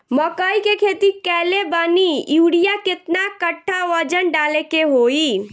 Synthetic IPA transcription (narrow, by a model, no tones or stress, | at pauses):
məkəikekʰet̪ikɛlebənijuɽijaket̪nakəʈʰːaʋəd͡ʒənɖalekeɦoi